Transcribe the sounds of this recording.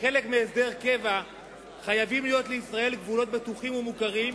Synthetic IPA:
χe̞le̞kmeːsd̪e̞ʁke̞va | χajavimlijo̞t̪leisʁae̞lɡvulo̞t̚bet̪uχimumukaʁim

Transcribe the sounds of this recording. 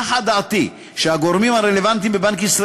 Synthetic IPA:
ħad̪aʕat̪i | ʃehaɡo̞ʁmimaʁelevant̪̬imbebaŋkisʁa

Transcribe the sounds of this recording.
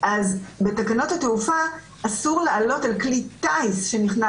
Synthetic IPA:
ʔazbe̞takano̞thateufa | ʔːsuʁlealo̞talklit̪ajsʃe̞niχna

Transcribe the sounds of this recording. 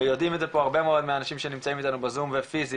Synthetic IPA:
ejo̞dimt̪zepo̞aʁbe̞meo̞d̪meanaʃimʃenimt͡saimit̪anubezumvefizi

